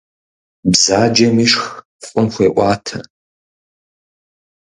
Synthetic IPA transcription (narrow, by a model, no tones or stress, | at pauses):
bzaːd͡ʒɐmiːʂx | fʼʊnxʷeːʔʷɑːtʰɐ̰